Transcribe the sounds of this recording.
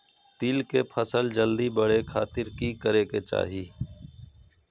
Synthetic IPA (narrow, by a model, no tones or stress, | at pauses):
t̪iːlkeːpʰəsəld͡ʒəld̪iːbəɽeːkʰaːt̪ɪɾkiːkəɾeːkeːt͡ʃa̰ːɦiː